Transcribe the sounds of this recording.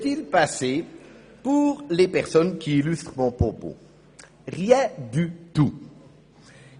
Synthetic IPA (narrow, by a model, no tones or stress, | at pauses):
t̪ilpase | puʁlepɛʁsɔnkʲiːlyst̪χmɔ̃pχɔpo̰ | ʁjɛ̃d̪yt̪u